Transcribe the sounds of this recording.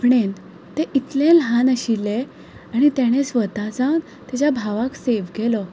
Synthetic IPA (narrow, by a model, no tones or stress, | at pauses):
pɳen | t̪eʔit̪lẽlɦanəɕilːe | aɽ̃it̪jaɽ̃esʋət̪at͡san | t̪jat͡ɕabʱaʋakseʋɡelɔ